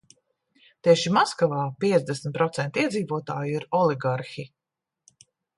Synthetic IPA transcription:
t̪iɛʃimɔskavaːpiɛzd̪ɛsmʲt̪̚pɾɔt̪sɛnt̪iɛd̪ziːvuɔt̪aːjiɾɔliɡaɾxi

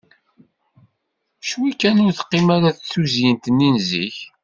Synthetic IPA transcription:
ʃwikːænʊɾθqːɪmæɾaθθuzjənt̪əninzḭç

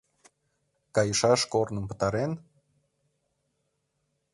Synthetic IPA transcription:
kɑjəʃɑʃkornə̆mpə̥̆t̪ɑɾen

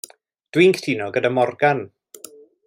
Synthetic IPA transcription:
d̥wiŋktʰiːnɔɡədamɔrɡan

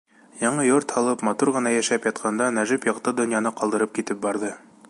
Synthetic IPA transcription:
jɑɴɤjoɾt̪hɑlˠɤpmɑt̪uɾʁɤ̆nɑjæʃæpjɑt̪̚qʰɑnd̪ɑnæʒɘpjɑqt̪ɤd̪ŏnjɑnɤqɑlˠd̪ɤ̆ɾɤp̚kit̪ɘp̚bɑɾðɤ

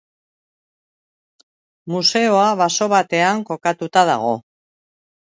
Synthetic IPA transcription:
muse̞o̞aβaso̞βat̪e̞aŋko̞kat̪ut̪aða̰ɣ̞o̞

